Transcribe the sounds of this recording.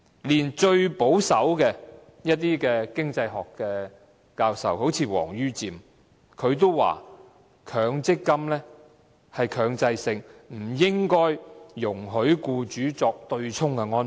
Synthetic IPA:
liː˨˩nt͡ʃɵ˧ɥpo˨˥wsɐ˨˥wkɛ˧ | jɐ˥t̚t̪iː˥kɛː˧kɪ˥ŋt͡sɐ˧jɦɔː˨˩kːɛː˧ | kaː˧wsɐ̰˨who˨˥wt͡sʰiː˨˧wɔ̰ː˨˩ŋjyː˥t͡siː˨m | kʰɵ˨˧ɥt̪̬o˥wwa̰ː˨˩ | kʰœː˨˧ŋt͡sɪ˥kːɐ˥mlɛː˥ | hɐ˨jkʰœː˨˧ŋt͡sɐ˧jsɪ˨ŋm̩˨˩jɪ˥ŋkɔː˥jːʊ˨˩ŋɦɵ˨˥ɥkuː˧t͡ʃyː˨˥t͡sɔː˧k̚t̪ɵ˧ɥt͡sʰʊ˥ŋkɛ˧ŋɔː˥n

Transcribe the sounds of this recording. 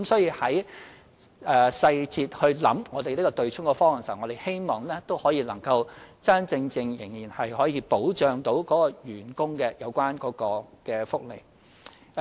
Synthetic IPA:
kmsɔː˨˥jiː˧hɐ˨˥j | ɛː˨˧sɐ˧jt͡siː˧t̚hɵ˧ɥlɐ̰˨˥mŋɔː˨˧t̪e˨li˥kɔː˧t̪ɵ˨ɥt͡sʰʊ˥ŋkɔː˧fɔː˥mɐ˨ŋswŋɔː˨˧t̪e˨jhe˥jmɔː˨ŋlɛː˥t̪o˥whɔː˨˥jiː˧lɐ˨˩ŋkɐ˧wt͡sɐ˥nt͡sɪ˧ŋt͡sɪ˧ŋjɪ˨˩ŋjiː˨˩nhɐ˨jhɔː˨˥jiː˧po˨˥wt͡ʃœː˨ŋt̪o˨˥wkɔː˨˥kɔː˧jyː˨˩nkʊ˥ŋkɛː˧jɐ˨˧wkʷaː˥nkɔː˨˥kɔː˧kɛː˧fʊ˥k̚lḛ˨˩j

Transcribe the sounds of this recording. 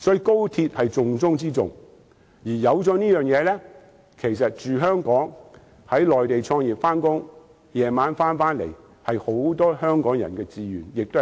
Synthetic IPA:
sɔː˨˥jiː˨˧ko˥wt̪ʰiː˧t̚hɐ˨jt͡sʊ˨ŋt͡sʊ˥ŋt͡siː˥t͡sʊ̰˨ŋ | jiː˨˩jɐ˨˧wt͡sɔː˨˧niː˥jœː˨ŋjɛː˨˧lɛː˥ | kʰe˨˩jsɐ˨t̚t͡ʃyː˨ɦœː˥ŋkɔː˨˥ŋ | hɐ˨˥jlɔː˨jt̪e˨jt͡sʰɔː˧ŋjiː˨˩p̚faː˥nkʊ˥ŋ | jɛː˨˩maː˨˥nfaː˥nfaː˥nlḛ˨˩j | hɐ˨jho˨˥wt̪ɔː˥hœː˥ŋkɔː˨˥ŋjɐ̰˨˩nkɛː˧t͡siː˨jyː˨njɪ˨k̚t̪o˥

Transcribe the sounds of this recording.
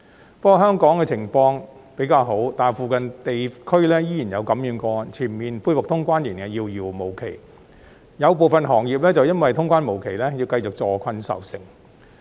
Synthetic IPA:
pɔː˥kɔ˨˧ɦœː˥ŋkɔː˨˥ŋkɛː˧t͡sʰɪ˨˩ŋfɔː˧ŋpe˨˥jkaː˧wɦo˨˥wt̪aː˨˩nfuː˨kɐ˨nt̪e˨jkʰɵ˥ɥlɛː˥jiː˥jiː˨˩jɐ˨˧wkɐ˨˥mjyː˨˥nkɔː˧t͡sʰiː˨˩mmiː˨nfuː˧jwʊ˨k̚t̪ʰʊ˥ŋkʷaː˥nji˨˩nkɛː˧jiː˧wjiː˨˩wmo˨˩wkʰe˨˩j | jɐ˨˧wp̬o˨˩wfɐ˨nɦɔː˨˩ŋjiː˨p̚lɛː˥t͡sɐ˨wjɐ˥nwɐ˨jt̪ʰʊ˥ŋkʷaː˥nmo˨˩wkʰe˨˩jlɛː˥ji˧wkɐ˧jt͡sʊ˨k̚t͡sɔː˨˧kʰɐ˧nsɐ̰˨wsɪ̰˨˩ŋ

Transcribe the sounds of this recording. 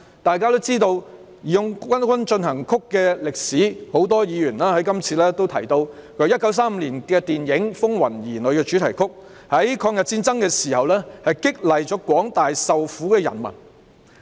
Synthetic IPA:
t̪aː˨˧jkaː˥t̪o˥wt͡siː˥t̪o˧w | ji˨jʊ˧ŋwɐ˥nkʷwɐ˥nt͡ʃɵ˧nhɐ˨˩ŋkʰʊ˥kːɛː˧lɪ˨k̚siː˨˥ho˨˥wt̪ɔː˥jiː˨˧jyː˨˩nlaː˥hɐ˨˥jkɐ˥mt͡sʰiː˧lɛː˥t̪o˥wt̪ʰɐ˨˩jt̪o˧wkʰɵ˨˥jɐ˥t̚kːɐ˨˥ws̬aː˥m̩ː˨˧liː˨˩nkɛː˧t̪iː˨njɪ˨˥ŋfʊ˥ŋwɐ˨˩njiː˨˩lɵ˨˧ɥkɛː˧t͡ʃyː˨˥t̪ʰɐ˨˩jkʰʊ˥k̚ | hɐ˨˥jkʰɔː˧ŋjɐ˨t̚t͡siː˧˥nt͡sɐ˥ŋkɛː˧siː˨˩hɐ˨wlɛː˥hɐ˨jkɪ˥k̚lɐ˨jt͡ʃɔ˨˥kwɔː˨˥ŋt̪aː˨jsɐ˨wfuː˨˥kɛː˧jɐ˨˩nmɐ̰˨˩n

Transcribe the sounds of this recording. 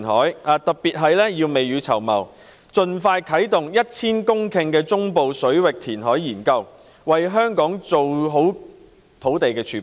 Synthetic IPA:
nhɔ̰ː˨˥jaː˨˧t̪ɐ˨k̚piː˨˩t̚ɦɐ˨jlɛː˥jiː˧wme˨jɥyː˨˧t͡sʰɐ̰˨˩wmɐ̰˨˩w | t͡sɵ˧nfaː˧jkʰɐ˨˥jt̪ʊ˨ŋjɐ˥t̚t͡sʰiː˥nkʊ˥ŋkʰɪ˧ŋkɛː˧t͡sʊ˥ŋpo˨wsɵ˨˥ɥwɪ˨k̚t̪ʰiː˨˩nɦɔː˨˥jjiː˨˩nkɐ˧w | wɐ˨jɦœː˥ŋkɔː˨˥ŋt͡so˨wɦo˨˥w | t̪ʰo˨˥wt̪e˨jkɛː˧t͡ʃʰyː˨˥

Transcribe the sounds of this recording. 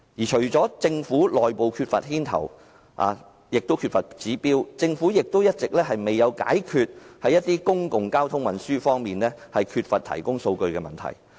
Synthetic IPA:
jiː˨˩t͡ʃʰɵ˨˩ɥt͡ʃɔː˨˥t͡sɪ˧ŋfuː˨˥lɔː˨jpo˨˧wkʰyː˧t̚fɐ̰˨t̚hiː˥nt̪ʰɐ̰˨˩w | a̰ː˨˧ | jɪ˨k̚t̪o˥wkʰy˧tfɐ˨˩t̚t͡siː˨˥piː˥wt͡sɪ˧ŋfuː˨˥jɪ˨k̚t̪o˥wjɐ˥t̚t͡sɪ˨k̚lɛː˥hɐ˨jme˨jːɐ˨˧wka̰ː˨˥jkʰyː˧t̚hɐ˨˥jːɐ˥t̚t̪ːiː˥kʊ˥ŋkʊ˨ŋkaː˥wt̪ʰʊ˥ŋwɐ˨nsyː˥fɔː˥ŋmiː˨nlɛː˥hɐ˨jkʰyː˧t̚fɐ˨t̪ʰɐ̰˨˩jkʊ˥ŋso˧wkɵ˧ɥkɛː˧mɐ̰˨nt̪ʰɐ̰˨˩j

